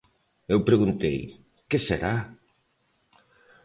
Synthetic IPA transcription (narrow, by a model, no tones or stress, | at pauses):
ewpɾeɣunt̪ḛj | keseɾa